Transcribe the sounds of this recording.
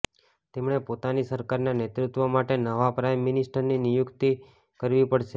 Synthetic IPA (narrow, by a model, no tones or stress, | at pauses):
t̪emɳepot̪anisəɾkaɾnanet̪ɾut̪ʋomaʈenəʋapɾajmːɪnɪsʈəɾninijukt̪i | kəɾʋipəɽʃe